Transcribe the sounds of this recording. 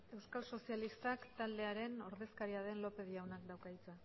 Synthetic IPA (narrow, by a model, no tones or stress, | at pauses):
e̞wskalso̞sialist̪akt̪ald̪e̞aɾe̞no̞ɾðe̞skaɾiað̞e̞nlo̞pe̞ð̞iawnakd̪awkajt͡sa